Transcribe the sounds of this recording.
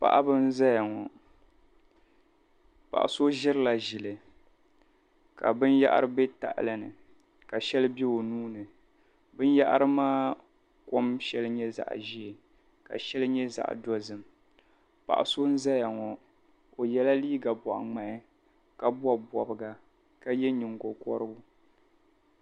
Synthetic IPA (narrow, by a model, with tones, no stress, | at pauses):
pa̰˨ʔa˦bɨ˦n̩˦za˦ja˨ŋɔ˨ | pa̰˨ʔa̰˨so˦ʒɪ˦ɾɨ˦la˨ʒɪ˨lɨ˨ | ka̰˨bɨ˦nja̰˦ʔa̰˦ɾɨ˦bɛ˦ta̰˨ʔlɨ˨nɨ˨ | ka˨ʃɛ˦lɨ˦bɛ˦o˨nuː˦nɨ˨ | bɨ˦n˦ja˦ʔa̰˦ɾɨ˦maː˦ | ko˦mʃɛ˦lɨ˦ɲɛ˦za̰˨ʔʒi˦ɛ˨ | ka̰˨ʃɛ˦lɨ˦ɲɛ˦za̰˨ʔdɔ˦zɨ˨m | pa̰˨ʔa̰˨so˦n̩˦za˦ja˨ŋɔ˨ | o˨jɛ˦la˦liː˦ɡa˨bɔ˨ʔa̰˨ŋ͡ma˦˨ʔɪ˦ | ka˨bwa˨bɔ˨bɨ˨ɡa˨ | ka˦jɛ˦ɲɪ˨ŋɡo˨kɔ̰˦ɾɨ˦ʊ˦